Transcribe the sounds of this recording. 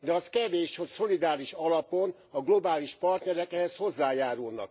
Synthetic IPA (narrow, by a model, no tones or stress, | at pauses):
d̪ɛɒskɛveːʃhoso̞lid̪aːɾiʃɒlɒpo̞n | ɒɡlo̞baːliʃpɒrt̪nɛɾɛkɛɦɛsho̞zːaːjaːɾulnɒ̰k̚